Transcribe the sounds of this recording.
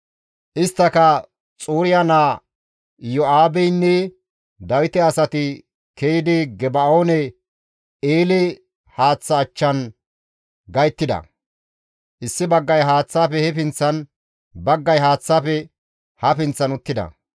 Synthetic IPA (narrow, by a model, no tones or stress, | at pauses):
ʔɪst̪ːɐkɐ | t͡sʼuːɾɪjanaː | jɔaːbɛjnːɛ | d̪ɐwɪt̪ɛɐsɐt̪ɪ | kejɪd̪ɪɡɛbɐoːnɛ | eːlɛ | haːt͡sːɐːt͡ʃːɐn | ɡɐjt̪ːɪd̪ɐ̰ | ʔɪsːɪbɐɡːɐjɦaːt͡sːaːpɛhɛpɪnt͡sːɐn | bɐɡːɐjɦaːt͡sːaːpɛ | hɐpɪnt͡sːɐnʊt̪ːɪd̪ɐ̰